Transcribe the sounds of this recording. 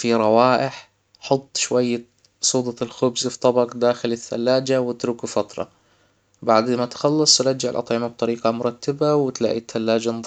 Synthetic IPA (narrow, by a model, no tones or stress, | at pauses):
fiɾˤɑwaːʔɪħ | ħʊt̪ˤːʃwajːa | sˤuːd̪ˤɑɪlxʊbzft̪ˤɑbɑqd̪aːxɪlɪθːa̰lːaːd͡ʒawɪt̪ɾuːkufɑt̪ɾˤɑ̰ | baʕd̪mat̪xɑlːɑsˤɾˤɑd͡ʒːaʕɪlʔɑt̪ˤʕɪmab̚t̪ˤɑɾiːqɑmʊɾˤɑt̪ʰːabawɪt̪la̰ːʔit̪ʰːalːaːd͡ʒanˤ